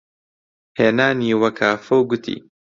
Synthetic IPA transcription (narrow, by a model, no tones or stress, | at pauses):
heːnaːniːwɐkʰaːfɐwɡʊt̪ʰḭː